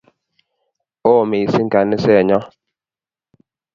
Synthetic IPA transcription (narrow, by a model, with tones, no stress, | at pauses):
oː˦˨me˨i˨si˦ŋ̩˨ka˨ni˦sɛ˦˨ɲɔ˦